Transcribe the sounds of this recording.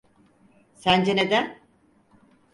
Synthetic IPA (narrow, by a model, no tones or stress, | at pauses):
sænd͡ʒened̪æn